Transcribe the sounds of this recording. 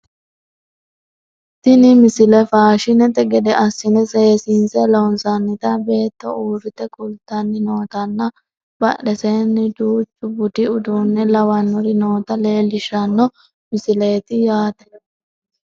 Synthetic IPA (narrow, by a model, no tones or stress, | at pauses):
t̪ɪnɪmɪsɪlɛfaːʃɪnɛt̪ɛɡɛd̪ɛʔɐsːɪnɛseːsinsɛlɔnsɐnːɪt̪ɐbe̞ːt̪ːɔuːɾɪt̪ɛkʼʊlt̪ːɐnːɪno̞ːt̪ɐnːɐ | bɐɗɛseːnːɪd̪uːt͡ʃʼːʊbʊt̪ɪʊd̪uːnːɛlɐwɐnːɔɾɪno̞ːt̪ɐle̞ːlːɪʃɐnːɔ | mɪsɪleːt̪ɪjaːt̪ɛ